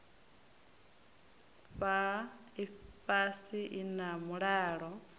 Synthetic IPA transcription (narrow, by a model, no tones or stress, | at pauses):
ɸa | iɸasiʔinamuɺɛːɺɔ